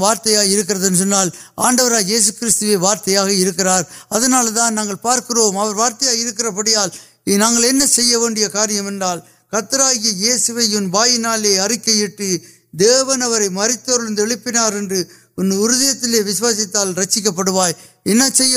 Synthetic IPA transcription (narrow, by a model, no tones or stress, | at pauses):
ʋaːɾt̪ɐjaːɪɾɯk̬ːɪrɐðɛnːɯs̬ɔnːaːl | aːɳɖɐʋɐɾaːjjeːs̬ɯkɪɾɪst̪ɯʋeːʋaːɾt̪ɐjaːɣɐɪɾɯkːɪraːɾɐðɐnaːlɐt̪aːnnaːŋɡɐɭpaːɾkɯroːmɐʋɐɾʋaːɾt̪ɐjaːɣɐɪɾɯk̬ːɪrɐpɐɽɪjaːl | naːŋɡɐɭɛnːɐsɛjːɐʋeːɳɖɪjɐkaːɾɪjɐmɛndraːl | kɐt̪ːɐɾaːɣɪjɐjeːsɯʋɐjʊnbaːjɪnaːleːɐrɪkːɐjɪʈːɯ | d̪eːʋɐnɐʋɐɾɐɪmɐɾɪt̪ːoɾɯɭnd̪ɯɛɭɪpːɪnaːɾɛndrɯ | ʊnːɯʊɾʊðɐjɐt̪ːɪleːʋɪsɯʋaːsɪt̪ːaːlɾɐt͡ʃːɪk̬ːɐp̬ːɐɽɯʋaːj | ɛnːɐsɛjːɐ